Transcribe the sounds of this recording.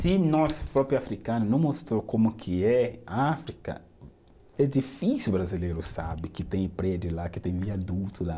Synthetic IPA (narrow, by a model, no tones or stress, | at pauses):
sɪnɔspɾɔpɾjʊafɾikɐ̃nʊnɐ̃w̃most̪ɾokõmʊkʰɪɛafɾikɐ̰ | ɛd͡ʒifisiubɾazilejɾʊsa̰bɪkɪt̪ẽj̃pɾɛd͡ʒʊlakɪt̪ẽj̃viad̪ut̪ʰʊla